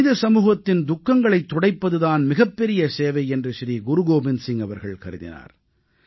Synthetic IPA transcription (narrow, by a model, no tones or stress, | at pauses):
ɪðɐsɐmuːɣɐt̪ːɪnd̪ʊkːɐŋɡɐɭɐɪt̪ːɔɽɐɪpːɐðɯðaːnmɪɣɐpːɛɾɪjɐseːʋɐɪɛndrɯʃɪɾiɡʊɾʊɣoːbɪnsɪŋɐʋɐɾɣɐɭkɐɾɯðɪ̰na̰ːɾ